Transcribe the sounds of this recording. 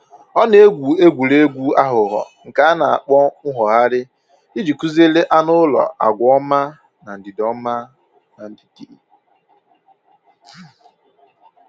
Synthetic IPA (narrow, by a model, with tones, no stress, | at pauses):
ɔ˦ne˦e˦ɡʷu˨e˦ɡʷu˨le˦ɡʷu˦a˦ɦʊ˨ɦɔ̰˨ | ŋ̩˨ka˨˦na˨a˨k͡pɔ˦ŋ̩˦ɦɔ˨ɦa˦ɾɪ˦ | i˦d͡ʒi˨ku˦ze˦le˦ʔa˦nʊ˦lɔ̰˨ʔa̰˨ɡʷɔ˦ma˦ | na˨n̩˨dɪ˨dɔ˦ma˦ | na˨n̩˨di̥˨ti˨